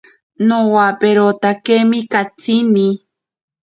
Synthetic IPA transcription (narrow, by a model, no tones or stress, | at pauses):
nowapeɾot̪akemikat͡sini